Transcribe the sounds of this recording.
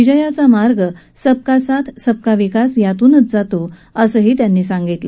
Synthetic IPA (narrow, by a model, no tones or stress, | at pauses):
ʋid͡ʑəjat͡samaɾɡə | səb̚kasat̪ʰsəb̚kaʋikasjat̪uːnət͡sd͡zat̪oəsəːɦiːt̪janːiːsãŋɡit̪lə